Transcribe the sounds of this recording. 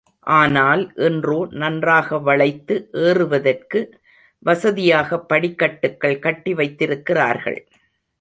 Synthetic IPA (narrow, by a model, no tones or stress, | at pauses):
ʔaːnaːlʔɛndroːnɐndraːɣɐʋɐɭɐɪt̪ːɯʔeːrɯʋɐðɐrkɯ | ʋɐsɐðɪjaːɣɐpːɐɽɪkːɐʈːɯkːɐɭkɐʈːiʋɐɪt̪ːɪɾɯkːɪra̰ːɾɣɐ̰ɭ